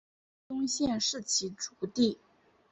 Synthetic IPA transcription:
t̪ʊ˥ŋɕjɛ˥˧nʂɻ̩˥˩t͡ɕʰi˧˥ʈ͡ʂu̥˧˥t̪i˥˩

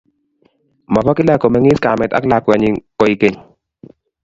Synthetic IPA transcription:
ma˨pa˦kɪ˦la˦kɔ˨mɛ˨˦ŋɪ˦ska˨mɛ˨ta̰˦kla˨kɛ˨ɲɪ˨kɔ˨i˨ke˦ɲ

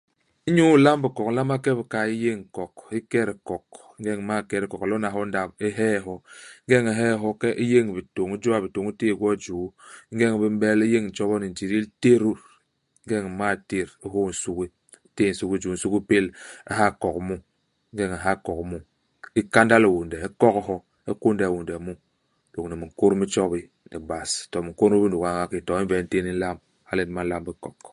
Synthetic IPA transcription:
i˦ɲu˦la˦m˦bi˨kɔ˨kla˦ma˦kɛ˦bi˨ka˨i˦je˦ŋ̩˨kɔ˨ki˦kɛ˦ɾi˨kɔ˨k | ŋ˦ɡɛ˦ŋ˨ma˦˨kɛ˦ɾi˨kɔ˨klo˦na˨ɦo˦n˦da˨bi˦ɦɛ˦˨ɦɔ˦ŋ̩˦ɡɛ˦ŋe˨ɦɛ˦˨ɦɔ˦kɛ˦ʔi˦je˦ŋ˨bi˨to˨ŋu˦d͡ʒu˦a˦˨bi˨to˨ŋi˦te˦˨ɡɔ˦˨d͡ʒu˨˦ŋ̩ɡɛ˦ŋ˨bi˦m˦bɛ˦li˦je˦ŋn̩˨t͡ʃɔ˦βɔ˦ni˨n˨d͡ʒi˨ɾi˦lte˦ɾu˦ | ŋ̩˦ɡɛ˦ŋ˨ma˦˨te˦ɾi˦ɦo˦˨n̩˨su˦ki˦ | te˦˨n̩˨su˦ki˦d͡ʒu˨n̩˨su˦ki˦pe˦la̰˦ɦa˦˨ko˨kmu˦ | ŋ̩˦ɡe˦ŋa˨ɦa˦˨ko˨kmu˦ | i˦ka˦nda˦li˨wu˨ndɛ˨e˦kɔ˦khɔ˦ | e˦ko˦nde˨wu˨ndɛ˨mu˦ | d̥o˨kni˨mi˨ŋ˨ko˦ɾmi˦t͡ʃɔ˦bi˦ | ḭ˨ba˨stɔ˨mi˨ŋ˨ko˦nu˦bi˦n˦du˨ka˨ŋa˦ki˨to˨i˦vɛ˨n̩˦te˦ni˦n̩˦la˦m | ha˦li˦n˦ma˦n˦la˦mbi˦kɔ˨k

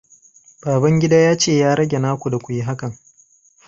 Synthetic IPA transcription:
baː˨bɐ˦ŋɡʲɪ˦daː˦jaː˦t͡ʃeː˦˨jaː˦ɾɐ˦ɡʲe˨naː˦kʷu˨da˨kʷu˨ji˦ɦa˦kɐ˨ŋ

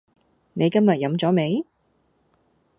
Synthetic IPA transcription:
ne˨˧jkɐ˥mjɐ˨t̚jɐ˨˧˥mt͡sɔː˨˥me˨˧j

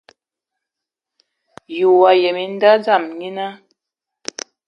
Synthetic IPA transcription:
ju˨wa˨jɛ˨mi˨n˦da˦d͡za˦˨mɲi˦na˦

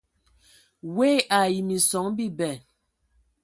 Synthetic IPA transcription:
weː˦˨a˨ji˨mi˨sɔ˨˦ŋbi˦˨bɛ˨

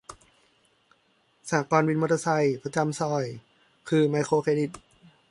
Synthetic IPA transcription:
saː˨˦kɔː˧nwi˧nmo˧t̪ʰːa˧sa˧˩jpʰɾa˧t͡ɕa˧msɔː˧˩j | kʰɯː˧˩ma˧jkʰoː˧kʰeː˧di˨˩t̪̚

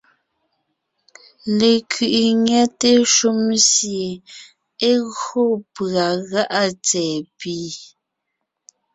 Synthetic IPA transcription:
le˨kʰɥi˨ʔi˨ɲɛ˦te˦ʃu˦msje˨ | e˦ɣo˦pa˨ɣa˦ʔa˦t͡sɛː˨piː˨˦

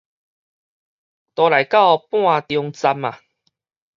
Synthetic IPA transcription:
t̪ɔ˧la˨˩jka˥˧˨pw̃ã˥˧t̪jɔ˧ŋt͡sa˧ma˨

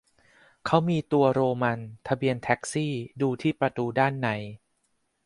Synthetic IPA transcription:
kʰa˦˥wmiː˧t̪u˧ɐɾoː˧ma˧nt̪ʰa˧bi˧ənt̪ʰɛ˦˥k̚siː˥˩duː˧t̪ʰiː˥˩pɾa˧t̪uː˧daː˥˩nːa˩˦j

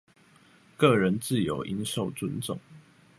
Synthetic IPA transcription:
kɤ˥˨ɻə˨˦nt͡sɹ̩˥˨jo˨˥ʊʔi˦nʂo˥˨ʊt͡sə˦nt͡sʊ̰˥˨ŋ

